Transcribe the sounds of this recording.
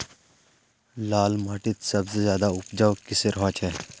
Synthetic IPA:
laːlmaːʈɪt̪sɐbsezjaːd̪aʊpd͡ʒawkɪseɾɦɔ̃ːt͡ʃʰɛː

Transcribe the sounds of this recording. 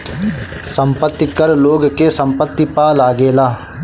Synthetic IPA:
sə̃mpət̪ːikəɾloːɡkesɐ̃mpət̪ːipaːlaːɡeːlaː

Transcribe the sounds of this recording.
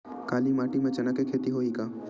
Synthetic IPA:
kaːlimaːʈimẽt͡ʃɐnakekʰeːt̪iɦoːikaː

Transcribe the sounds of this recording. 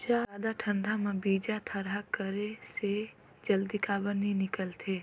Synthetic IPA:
d͡ʒaaːd̪aʈʰə̃ɳɖʱamãbiːd͡ʒat̪ʰəɾɦakəɾese | d͡ʒəld̪ikaːbəninɪkəlt̪ʰeː

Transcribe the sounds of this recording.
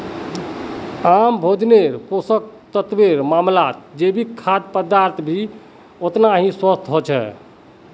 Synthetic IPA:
ambʱod͡ʒneɾposək̚t̪ət̪biɾmamlat̪̚d͡ʒebʱikʰːad̪pəd̪aɾt̪ʰbʱi | ot̪naɦĩswəst̪ʰɦot͡ʃʰɛ̰

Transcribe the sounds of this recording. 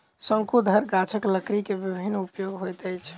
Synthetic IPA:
sə̃ŋkud̪ʱəɾɡat͡ʃʰəkləkɾikebibʱinːupjoɡɦojt̪əjt͡ʃʰ

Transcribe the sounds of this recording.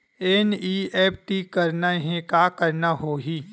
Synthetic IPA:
ɛniːɛːp̚ʰʈikɐɾnaɦẽkakəɾnaɦoːɦiː

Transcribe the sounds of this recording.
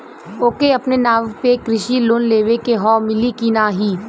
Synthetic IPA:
oːkeɐpnenaːʋpekɾɪʃiloːnleːʋekeɦɔːmɪlikinaːɦiː

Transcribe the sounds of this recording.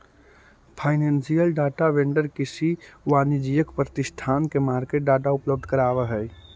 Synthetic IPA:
pʰaɪnẽːnsijəlɖaːʈaʋẽɳɖəɾkɪsiʋaːnid͡ʒijəkpɾət̪ɪst̪ʰaːnkemaːɾkeʈ̚ɖaːʈaʊpləb̚d̪ʱkəɾaːʋəɦɛj

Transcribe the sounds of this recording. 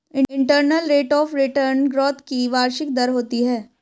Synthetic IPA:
ɪ̃ɪ̃ɳʈəɾnəlɾeːʈɔːfɾɪʈəɾnɡɾɔːt̪ʰkiʋaːɾʃɪk̚d̪ɐɾɦoːt̪iɦɛː

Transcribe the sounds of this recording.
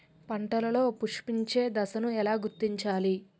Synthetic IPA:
pɐɳʈɐlɐlo̞ːpuʂpiɲt͡ʃe̞ːd̪ɐsɐnuɛlaːɡuɾt̪ːiɲt͡ʃaːli

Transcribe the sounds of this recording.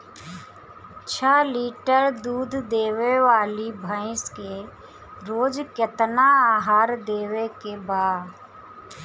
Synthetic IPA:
t͡ʃʰəliːʈəɾd̪uːd̪ʱd̪eːʋeʋaːlibʱəɪ̃ske | ɾoːd͡ʒkjət̪naaːɦaːɾd̪eːʋekebaːd

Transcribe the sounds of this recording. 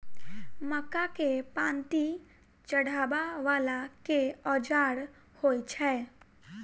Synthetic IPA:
məkakepãːnt̪i | t͡ʃəɽʱaːbaʋaːlakeɔːd͡ʒaːɽ | hoːit͡ʃʰɛː

